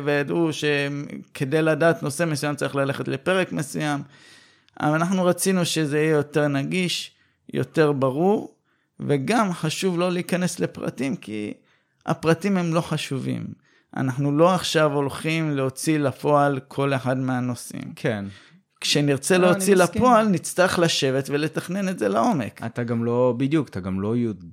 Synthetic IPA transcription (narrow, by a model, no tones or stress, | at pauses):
vejadʔuʃe̞kʰe̞dejladaːt̪no̞se̞mesujamt͡saɐʁiχlale̞χetle̞pe̞ʁekmesujam | a̰anaħnuʁat͡sinuʃe̞zeijejo̞te̞ʁnaɡiʃ | jo̞̰te̞ʁbaʁuʁ | ve̞ɡamħaʃuvlo̞liikane̞sle̞pʁa̰timkʰḭ | a̰pʁatimhe̞mlo̞ħaʃuvḭm | a̰naħnulo̞aχʃavo̞lχimleo̞t͡silapo̞alkʰo̞le̞ħadmeano̞sḭmkʰen | kʃeniʁt͡seleot͡silapo̞alnit͡st̪aʁeχlaʃe̞vetvele̞taχne̞netzelao̞me̞̰kat̪aɡamlobid̪jukat̪aɡamloju